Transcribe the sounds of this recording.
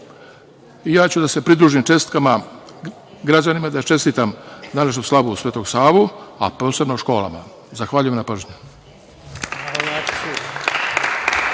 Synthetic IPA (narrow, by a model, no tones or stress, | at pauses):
ijaːt͡ɕud̪ase̞pɾid̪ɾuːʒimt͡ʃe̞st̪kama | ɡɾad͡ʑanimad̪ajt͡ʃe̞st̪iːt̪amd̪aneʃnoslˠaʋusʋe̞ːt̪o̞ɡsaːʋua̰po̞ːse̞bnoʃko̞ːla̰ma̰ | zaxʋaːʎujemnapr̩ʒɲu | aa